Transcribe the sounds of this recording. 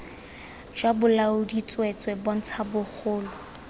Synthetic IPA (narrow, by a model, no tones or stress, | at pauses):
d͡ʒwabʊlaʊdit͡sʼwɛt͡sʼwɛbɔn̩t͡sʰabʊk͡xʰʊːlʊ